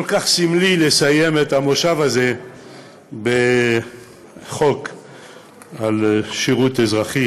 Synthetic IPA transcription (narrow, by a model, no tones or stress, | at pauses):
kolkaχsimlilesajemet̪amoʃavaze | be | χok | alʃiʁut̪ezʁaχi